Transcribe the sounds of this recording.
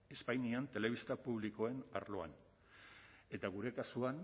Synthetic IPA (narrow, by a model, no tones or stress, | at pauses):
e̞spajniant̪e̞le̞β̞ist̪apuβ̞liko̞e̞na̰ɾlo̞a̰n | e̞t̪aɣ̞uɾe̞kasuan